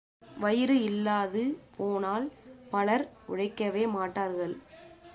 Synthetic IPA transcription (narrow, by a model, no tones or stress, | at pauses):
ʋɐjɪɾɯɪlːaːðɯpʰoːnaːlpɐɭɐɾʔʊɻɐɪkːɐʋeːmaːʈːaːɾɣɐɭ